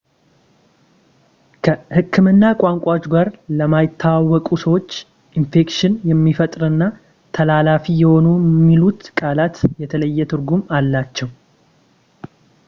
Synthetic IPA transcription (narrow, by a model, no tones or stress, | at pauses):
kʰəhɨkʰːɨmɨnːakʷʼaŋkʷʼat͡ʃːɡaɾləmajɪt̪ʰːawawːɔkʼusəwo̞t͡ʃː | ʔinfe̞kʃɪnjɛmːifət̪ʼɾɨnːa | t̪ʰəlalafijɛho̞numːilut̪kʼalat̪jɛt̪ʰələjːɛt̪ʰɨɾɡumalːat͡ʃːɛw